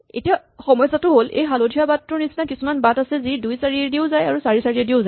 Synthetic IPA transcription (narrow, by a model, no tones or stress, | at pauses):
ḛtiaxɔmɔjsatʊɦolʔḛjɦalodʱiabatːɹɔɹnisinakisumanbatasɛzidujsaɹiɛdiʊzajaɹusaɹisaɹiɛdiʊzaj